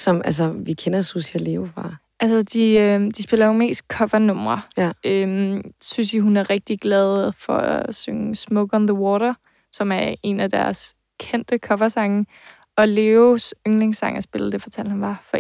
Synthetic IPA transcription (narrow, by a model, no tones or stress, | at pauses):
sɒ̽mʔæls̬ɐʋikʰenɐsusiæleːʊfʁɑ̈ | ʔælsɐd̥iød̥isb̥e̝lɐjo̝me̝̰ːsd̥̚kʰɒ̽fɐnɔ̽m̰ʁɐømsynsiɦunæɐʁɛɡ̥̚d̥iɡ̥lɛð̞ˠfɒ̽æ̰søŋsmɔ̽ɡ̥ɒnðəwɔːɾɐ | sɒ̽mæɐe̝næd̥æɐs | kʰen̰d̥əkʰɒ̽fɐsɑ̈ŋ | ɒ̽leːosøŋleŋsɑ̈ŋ̰ɐsb̥e̝ləd̥e̝fɒt͡sʰæl̰̥hænʋɑ̈fɒ̽